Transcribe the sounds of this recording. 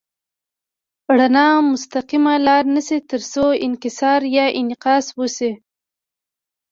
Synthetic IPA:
ɽanɑmʊst̪aqimalɑɾnəsit̪əɾsoɪnkɪsɑɾjɑʔɪnɪqɑswəsi

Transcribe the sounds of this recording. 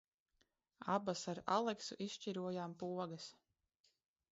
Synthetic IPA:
abasaɾa̰lˠɛksṵʔisʃt͡ʃiɾuɔjampuɔɡas

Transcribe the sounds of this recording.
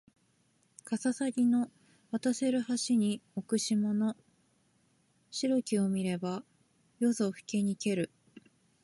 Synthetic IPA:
kasasaɡʲino̞ | βat̪ase̞ɾɯ̟haɕiɲ̟iokɯ̟ɕimono̞ | ɕiɾo̞kʲio̞mʲiɾe̞ba | jo̞so̞ɸɯ̟̥ke̞ɲ̟ike̞ɾɯ̟

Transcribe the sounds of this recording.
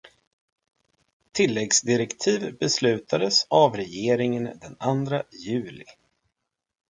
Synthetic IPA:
t̪ʰɪlːɛɡsd̪ɪɾɛkt̪ʰiːvbɛslʉ̟ːt̪ad̪əsavɾɛjeːɾɪŋənd̪ɛnand̪ɾajʉ̟ːlɪ̰

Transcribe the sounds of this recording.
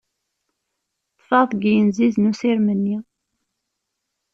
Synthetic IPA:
θfɑɾˤθɡijənziznusiɾmənːi

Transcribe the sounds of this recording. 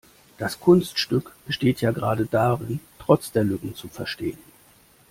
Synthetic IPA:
d̥askʰʊnstʃtʏkb̥əʃteːtjaːɡəʁaːdədaːʁɪntʁ̥ɔt͡sd̥eːɐlʏkŋ̩t͡sufɛɐʃteːən

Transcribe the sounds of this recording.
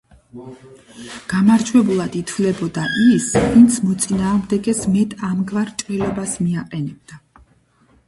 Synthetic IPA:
ɡ̥amaɾd͡ʒʰwɛbulˠad̪it̪ʰvlɛbɔd̪aʔisvint̪sʰmɔt̪sʼinaːʁmd̪ɛɡɛsmɛt̪ʼamɡvaɾt͡ʃʼɾilɛbasmiaqʼɛnɛb̚d̪a

